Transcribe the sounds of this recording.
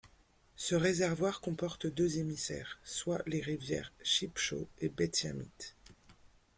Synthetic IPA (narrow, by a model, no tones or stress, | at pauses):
səʁezɛʁvwaʁkɔ̃pɔʁt̪d̪øzemisɛ̰ːʁswaleʁivjɛ̰ʁʃipʃo̰ebɛt̪ja̰mḭt̪